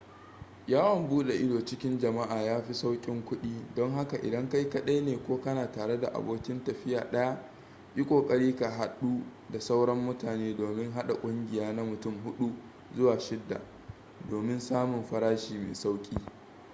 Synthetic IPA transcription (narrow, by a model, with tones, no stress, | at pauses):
jaː˦wɔ˨mbuː˦ɗe˨ʔɪ˦doː˨t͡ʃɪ˦kʲɪ˦nd͡ʒɐ˨ma˦ʔaː˨jaː˦ɸi˦sa˦wkʲʼɪ˦ŋkʷʊ˦ɗiː˦dɔ˦ŋɦa˦ka˨ʔɪ̰˨dɐ˦ŋka˦jkɐ˦ɗa˦jneː˨kʷoː˦kɐ˦naː˨taː˨ɽe˦da̰˨ʔa̰˨boː˦kʲɪ˦ntɐ˨ɸɪ˦jaː˨ɗɐ˦ja˦ | ʔi˦kʷʼoː˨kʼɐ˦ɽiː˦ka˨ɦa˨ɗuː˦ | da˨sa˦wɽɐ˦mːʊ˦taː˨neː˦doː˨mɪ˦ŋɦa˦ɗa˨kʷʼʊ˦ŋɡʲɪ˨jaː˦na˦mʊ˨tʊ˦˨mɦʊ˦ɗu˦ | zʊ˦waː˨ʃɪ˦dːa̰˨ | doː˨mɪ˦nsaː˦mʊ˨mɸɐ˦ɽaː˦ʃiː˨mḛː˨sa˦wkʲʼiː˦